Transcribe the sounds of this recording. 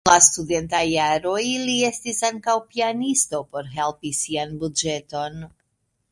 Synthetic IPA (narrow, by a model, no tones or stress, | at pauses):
lastude̞ntajːaɾo̞jlie̞stisaŋkawpianisto̞po̞ɾɦe̞lpisianbud͡ʒe̞to̞n